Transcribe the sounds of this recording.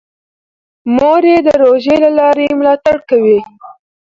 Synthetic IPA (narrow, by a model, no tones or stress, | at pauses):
moɾed̪əɾoʒelalɑɾemlɑt̪aɽkawi